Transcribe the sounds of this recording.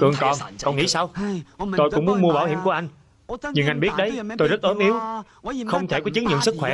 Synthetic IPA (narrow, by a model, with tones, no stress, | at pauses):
kɨ˨˩əŋkɔ˨˩nkɔ˨˩nŋḭ˧˥sa˧wt̪o˧jkʊ̰˧˥ŋ͡mmu˨˦ənmu˧əɓaː˧˩whḭ˧˩əmku˧˩əʔa˧jŋ̟ | ɲɨ˧ŋʔa˧jɓi˦˥ət̚ɗə˨˦jt̪o˧jzə˦˥t̚ʔəː˨˦mʔi˨˦əw | xə˧wŋ͡mt̪ʰe˧˩kɔ˨˦t͡ɕɨ˨˦ŋɲɨ̰˧˨ənsɨ˦˥k̚xwɛ˧˩